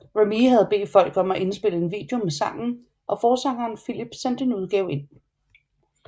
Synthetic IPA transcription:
ʁemihæð̞ˠbe̝̰ːd̥fɒ̽l̰ɡ̥ɒ̽mæʔe̝nsb̥e̝ləe̝nʋḭːd̥e̝o̝mesɑ̈ŋ̰n̩ | ʔɒ̽fɒːsɑ̈ŋɐːnfilib̥sen̰d̥e̝nuð̞ˠɡ̥ɛːʊe̝n̰

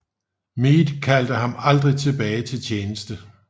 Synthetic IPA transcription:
miːd̥kʰæl̰d̥əɦɑ̈mɑ̈ld̥ʁit͡sʰe̝b̥ɛːɪt͡sʰe̝lt͡ɕʰeːnəsd̥ə

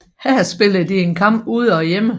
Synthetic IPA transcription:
hæɐ̰sb̥e̝lð̩ˠd̥ie̝nkʰɑ̈m̰b̥uð̞̰ˠɒ̽jemə

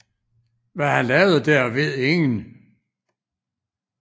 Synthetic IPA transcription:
ʋæhænlɛːʊð̩ˠd̥æɐ̰ʋe̝ð̰ˠeŋn̩

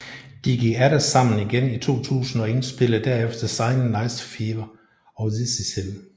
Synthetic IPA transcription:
d̥iɡ̥iɡ̥æɾæsɑ̈m̰n̩iɡ̥enit͡sʰo̝̰ːt͡sʰṵːsn̩ɒ̽e̝nsb̥e̝ləð̩ˠd̥æɐefd̥ɐsɑ̈ɪnənɑ̈ɪsfeːʋɐ | ɒʊðisisel

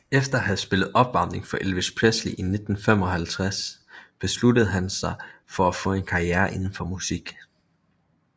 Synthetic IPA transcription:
efd̥ɐɦæð̩ˠsb̥e̝ləð̩ˠɒ̽b̥ʋɑ̈m̰d̥ʁeŋfɒ̽ʔelʋespʰʁesliʔine̝d̥n̩fem̰ɒ̽hælt͡sʰʁasb̥e̝sludəð̞̩ˠɦænsɑ̈ɪfɒ̽æfɔ̽ːe̝nkʰɑ̈iæːɐʔe̝nn̩fɒ̽musiɡ̥

